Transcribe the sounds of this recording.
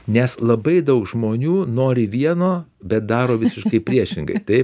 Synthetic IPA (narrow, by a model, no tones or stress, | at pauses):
nʲɛslˠɐbɐɪd̪ɐʊkʒmoːnʲuːnoːɾʲɪʋʲiɛnoːbʲɛt̪̚d̪ɑːɾoːʋʲɪsʲɪʃkɐɪpʲɾʲiɛʃʲɪŋɡɐ̰ɪt̪ɐɪ